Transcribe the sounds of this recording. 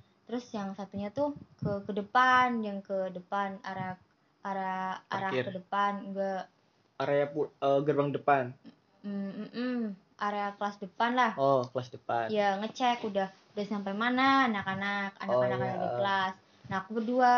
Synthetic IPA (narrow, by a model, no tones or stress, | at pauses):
t̪əɾʊsjaŋsant̪uɲat̪ukəkədəpanjaŋkədəpanaɾak̚ | aɾaaaɾakkrkədəpanɡa | aɾeapuəɡərbaŋdəpan̩ | ʔ̩ | ʔaɾeakəlasdəpanlahokəlasdəpanjaŋət͡ʃɛkudah | udahsampajmanaːnakanaka̰nakanakanakdikəlas | nakubədua